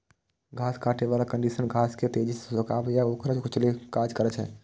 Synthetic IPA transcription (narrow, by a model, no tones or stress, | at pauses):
ɡʱaːskaːʈʰeʋaːlakə̃ɳɖisənɡʱaːsket̪ed͡ʒissəkaːbjaoːkɾət͡ʃkʰʊt͡ʃʰlekaːd͡ʒkəɾɛt͡ʃʰɦɛ̰